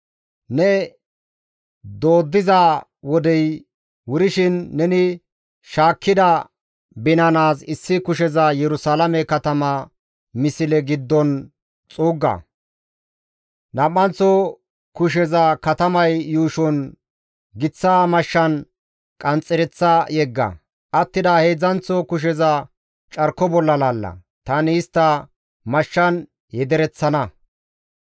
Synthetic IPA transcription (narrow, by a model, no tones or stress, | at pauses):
nɛ | d̪o̞ːd̪ːɪza | wɔd̪ɛj | wʊɾɪʃɪnːɛnɪ | ʃaːkːɪd̪ɐ | bɪnɐnaːsɪsːɪkʊʃ̬ɛzɐjɛɾʊsaːlɐmɛkɐt̪ɐmɐ | mɪsɪlɛɡɪd̪ːɔn | t͡sʼuːɡːɐ̰ | nɐmːɐnt͡sːɔ | kʊʃ̬ɛzɐkɐt̪ɐmɐjːuːʃɔn | ɡɪt͡sːaːmɐʃːɐn | kʼɐnt͡sʼːɛɾɛt͡sːɐjɛɡːɐ̰ | ʔɐt̪ːɪd̪ɐheːd͡zɐnt͡sːɔkʊʃ̬ɛzɐ | t͡ʃʼɐɾkːɔbɔlːɐlaːlːɐ̰ | t̪ɐnɪɪst̪ːɐ | mɐʃːɐn | jɛd̪ɛɾɛt͡sːɐnɐ